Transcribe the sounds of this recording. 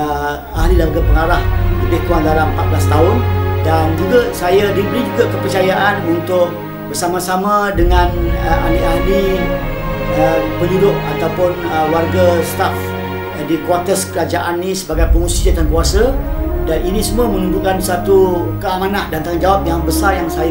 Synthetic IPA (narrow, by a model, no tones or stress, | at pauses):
ə | ahlilaəɡapəŋaɾahləbɪht̪uaŋdaɾaməpat̪̚blast̪aʊndand͡ʒuɡasajadibəɾid͡ʒuɡakəpərt͡ʃajaʔanunt̪ʊk̚ | bərsamãsamãdəŋãnəa̰niʔahli | əpəndudʊʔat̪awpʊnəwarɡast̪af | dikwat̪əskəɾad͡ʒaʔanːisəbaɡajpəŋũsiadankuasadaninĩsumuəmə̃numbukansat̪ukəamãnãʔdant̪aŋand͡ʒawap̚jaŋbəsarjaŋsaja